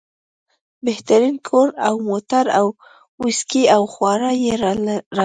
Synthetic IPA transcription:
beht̪aɾinkʰoɾawmot̪aɾaw | uskiawxwɑɾajeɾɑ

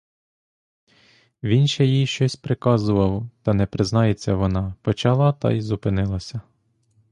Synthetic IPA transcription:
ʋʲinʃɛjijʃt͡ʃɔsʲpɾɪkɑzʊʋɐwt̪ɐnɛpɾɪznɑjet͡sʲːɐʋɔnɑpɔt͡ʃɑlˠɑt̪ɑ̰jzʊpɪnɪlˠɐsʲɐ

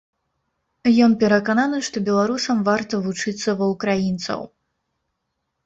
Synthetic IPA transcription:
jɔnpʲɛɾɐkananɨʂt̪ɔbʲɛlˠaɾusɐmvart̪ɐvut͡ʂɨt̪sːɐvɐwkɾajint̪sɐ̰w

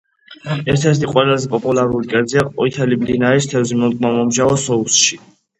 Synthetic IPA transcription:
ɛɾt̪ʰɛɾt̪ʰiqʼwɛlazɛpʼɔpʼulaɾulikʼɛziaɔit̪ʰɛliblinaist̪ʰɛvzimɔkʼmamɔmʒavɔsɔusʃi

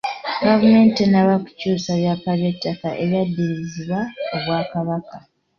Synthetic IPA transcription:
ɡavume̞ːntenaβaku̥cuːsaβjakaβjetːaka̰ʔeɾadːiɾiziβwaoβwaːkaβaka

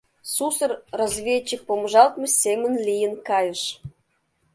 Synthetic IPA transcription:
susərrozvʲet͡ɕːik̚pomʒɑlt̪məsʲemənlijənkɑjə̆ʃ

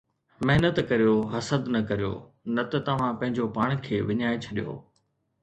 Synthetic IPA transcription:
mɐɦɪnət̪kɐɾijoɦɐsəd̪nɐkɐɾijo̰ː | nɐt̪ɐt̪ɐʋ̤ãpɐ̃ɦɪ̃ɲd͡ʑopaːɽ̃kʰeːʋɪɲaːet͡ɕʰɐɗijo̰ː

